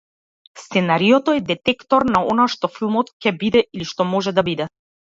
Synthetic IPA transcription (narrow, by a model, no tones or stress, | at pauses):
st̪sɛnaɾijɔt̪ɔɛd̪ɛt̪ɛkt̪ɔɾnaɔnaʃt̪ɔfilˠmɔt̪cɛbid̪ɛʔiliʃt̪ɔmɔʒɛd̪abid̪ɛ